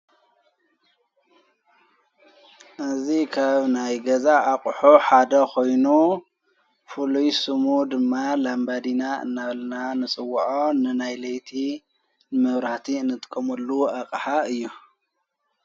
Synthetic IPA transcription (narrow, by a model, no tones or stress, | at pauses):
ʔɨzikʰaβnajɡɐzaʔakʼħoħad̪ɐkʰo̞jnu | fulujsɨmud̪ɨmːalambad̪inaɨ̰nːaβlnanɨsʼɨwːʔonɨnajlɐjt̪ʰi | mɨβɾaht̪ʰinːɨt̪ʼɨkʼːɐmulːuaqʼħaɨjːu